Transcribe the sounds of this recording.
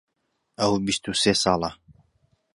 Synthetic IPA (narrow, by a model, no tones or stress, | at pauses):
ʔɐwbist̪useːsɑːlˠɑ